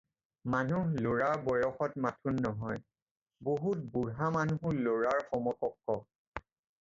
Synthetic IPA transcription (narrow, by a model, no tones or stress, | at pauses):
manuɦloɹaɹbɔjɔxɔtmatʰunːɔɦɔj | boɦut̚buɹɦamanuɦʊloɹaɹxɔmɔkɔkːɔ